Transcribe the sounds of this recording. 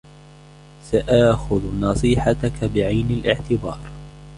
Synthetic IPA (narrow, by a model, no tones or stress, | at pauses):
saʔaːxʊðnɑsˤɨːħat̪akabɪʕajnalʔɪʕt̪ɪbɑːɾˤ